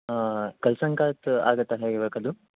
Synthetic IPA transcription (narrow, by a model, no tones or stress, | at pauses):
kɐlsɐŋkaːt̪a̰ːɡɐt̪ːaɦeiʋɐkɐd̪u